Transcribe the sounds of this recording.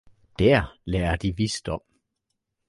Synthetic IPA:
d̥æɐ̰lɛːɐd̥iʋisd̥ɒ̽m̰

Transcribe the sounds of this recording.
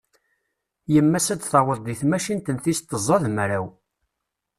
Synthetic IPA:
jəmːæsæd̪θɑwəðˤd̪iθmæʃint̪ənθist̪ːəzˤːɑðmɾæw

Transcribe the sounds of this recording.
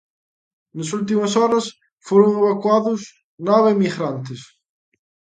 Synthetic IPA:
nɐsult̪̬imɐsɔɾɐs | foɾoŋeβakwaðʊs | naβemiɣɾant̪ɪs

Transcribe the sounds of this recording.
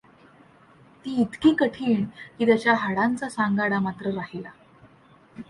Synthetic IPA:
t̪iːit̪kiːkəʈʰiːɳkiːt̪jat͡ɕjaɦaɽant͡sasaŋɡaɽamat̪ɾəɾaɦila

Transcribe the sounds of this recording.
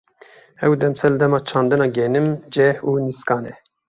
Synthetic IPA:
ɛwd̪ɛmsɛlɨd̪ɛmɑːt͡ʃʰɑːnd̪ɨnɑːɡɛːnɨmd͡ʒɛhuːniskɑːnɛ

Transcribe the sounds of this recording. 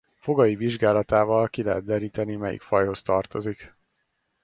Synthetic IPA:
fo̞ɡɒjiviʒɡaːlɒt̪aːvɒlkilɛɦɛt̪̚d̪ɛɾiːt̪ɛnimɛjḭkfɒjho̞st̪ɒrt̪o̞zik

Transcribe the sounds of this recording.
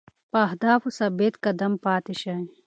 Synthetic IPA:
paɦd̪aːfusɐbeːt̪kɐd̪ɐmpaːt̪iɕɐĩ

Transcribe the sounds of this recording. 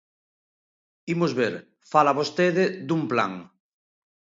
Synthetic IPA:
imozβeɾ | falaβost̪eðed̪umpla̰ŋ

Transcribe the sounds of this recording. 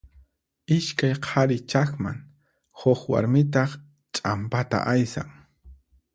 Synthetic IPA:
ɪʃkajqʰaɾɪt͡ʃakma̰ŋ | hʊχwa̰ɾmɪt̪̬ɑχ | t͡ʃʼampat̪a̰ʔajsa̰ŋ

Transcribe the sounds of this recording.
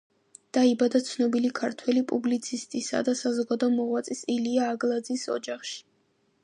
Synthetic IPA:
d̪̥aibad̪at̪sʰnɔbilikʰaɾt̪ʰwɛlipʼublit̪sʰist̪ʼisa̰d̪asazɔɡad̪ɔmɔʁwat̪sʼisiliaːɡlˠad̪zisɔ̰d͡ʒaχʃi̥

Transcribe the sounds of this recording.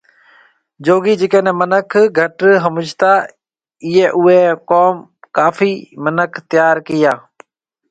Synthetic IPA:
d͡ʒoːɡiːd͡ʒɪkẽːnẽːmənəkʰɡʱəʈɦəmʊd͡ʒt̪aː | ɪːeːʔʊɦeːkoːm | kaːfiːmənəkʰt̪ɪjaːɾkɪjaː

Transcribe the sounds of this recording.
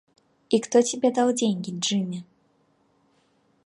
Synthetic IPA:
ixt̪ɔt͡sʲabʲɛd̪awd͡zʲenʲkʲiʐɨmʲɛ

